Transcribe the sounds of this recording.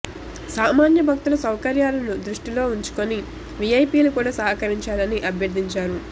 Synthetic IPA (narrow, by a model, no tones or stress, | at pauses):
saːmaːnjɐbʱɐk̚t̪ulɐsɐwkɐɾjaːlɐnud̪ɾuʂʈilo̞ːuɲt͡ʃu̥koni | ʋiɐjpiːlukuːɽaːsɐɦɐkɐɾiɲt͡ʃaːlɐniʔɐbʱjɐɾd̪iɲt͡ʃaːɾu